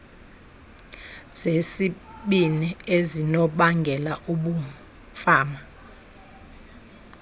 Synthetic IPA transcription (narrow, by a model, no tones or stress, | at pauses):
z̥esiɓiniezinɔɓaŋɡʱɛlaʔuɓu | faːma